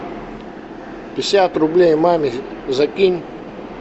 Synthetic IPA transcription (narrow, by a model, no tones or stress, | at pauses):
pʲɪsʲat̪ɾʊblʲejmamʲizɐkʲinʲ